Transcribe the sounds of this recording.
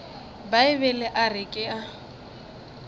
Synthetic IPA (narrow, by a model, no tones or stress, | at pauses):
baɪbɛlɛʔarɪkʼɪa